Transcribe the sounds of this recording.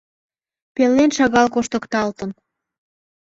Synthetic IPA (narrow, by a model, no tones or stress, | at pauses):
pelːenʃɑɣɑlkoʃt̪ə̆kt̪ɑlt̪ə̆n